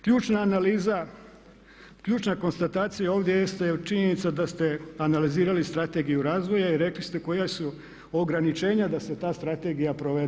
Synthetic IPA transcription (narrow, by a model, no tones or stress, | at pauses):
kʎuːt͡ʃnaːnaliːza | kʎuːt͡ʃnako̞nst̪at̪aːt̪sijao̞ːʋd̪jejest̪at͡ʃiɲenit̪sad̪ast̪e̞analiziːɾalist̪ɾat̪e̞ɡijuɾaːzʋo̞jaiɾe̞klist̪e̞ko̞jasu | o̞ɡɾanit͡ʃe̞ːɲad̪ase̞t̪aːst̪ɾat̪e̞ɡijapɾo̞ʋe̞d̪